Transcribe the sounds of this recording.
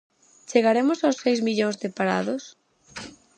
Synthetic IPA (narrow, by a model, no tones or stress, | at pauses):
t͡ʃeɣaɾemʊsaʊsːejzmiʎoŋzðɪpaɾa̰ðʊs